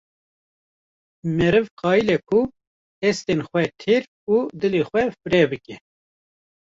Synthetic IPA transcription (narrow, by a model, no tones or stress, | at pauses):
mɛɾɨvqɑːilɛkʰu | hɛst̪enxʷwɛt̪ʰeɾ | ud̪ɨlexʷwɛfɨɾɛbɨkɛ